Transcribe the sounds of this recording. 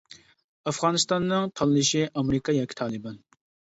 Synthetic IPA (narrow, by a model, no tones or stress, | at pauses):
ɑfʁɑːnɨst̪ɑnːɨŋt̪ʰɑlˠɨlɨʃiʔɑmɾɨkɑjɑkʲʰːi̥t̪ʰɑːlˠɨbɑn